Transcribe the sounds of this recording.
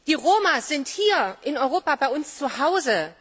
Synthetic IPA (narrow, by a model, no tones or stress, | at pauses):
d̥iːʁoːmaz̥ɪnthiːɐʔɪnɔʏʁoːpabaɪʊnst͡suhaʊzə